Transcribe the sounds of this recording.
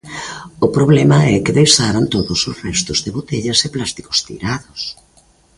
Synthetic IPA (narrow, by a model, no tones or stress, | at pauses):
ʊpɾoβlɛmɐɛkɪðejsaɾant̪oðʊsosrɛst̪ʊzðɪβot̪eʎɐseplast̪i̥ko̥st̪ḭɾaðos